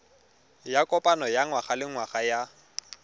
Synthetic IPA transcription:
jakʼɔpʼanɔjaŋwaχalɪŋwaχaja

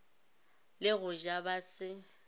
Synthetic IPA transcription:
lɪɣʊʒabasɪ

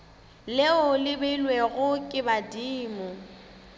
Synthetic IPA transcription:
lɪʊlɪbelweɣʊkʼɪbadiːmʊ

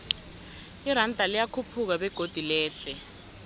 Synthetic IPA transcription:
iɾandʱalijakʰupʰuk̬aɓɛɡ̥ʱod̥ʱilɛːɬɛ

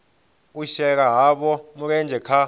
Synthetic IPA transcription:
uʃɛk̬aɦaɓɔmuk̬ɛnd͡ʒʱɛkʰa

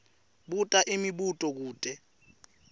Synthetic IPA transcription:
ɓutʼaʔimiɓutʼɔk̬uːtʼɛ

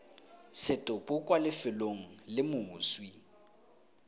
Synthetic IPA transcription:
sɪtʼʊpʼʊkʼwalɪfɪloŋ̩lɪmʊːswi

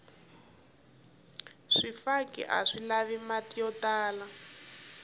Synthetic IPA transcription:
ʂifakḭʔa̰ʂilaβimatijɔtaːla

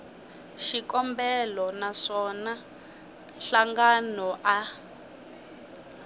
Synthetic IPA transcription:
ʃikʼɔmbɛlɔnaʂɔna | ɬaŋɡanɔʔa

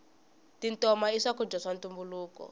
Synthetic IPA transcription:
tintɔmaiʂakud͡ʒɔsantumbuluːkɔ̰

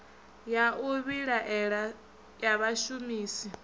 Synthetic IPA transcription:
jauβiɺaʔɺa | jaβaʃumiːsi

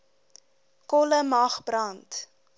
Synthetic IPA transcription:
kɔləmɐχbrɐnt

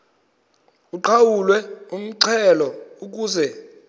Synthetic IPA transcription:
uǃʰawulwɛum̩ǀʰɛlɔuk̬uːzɛ

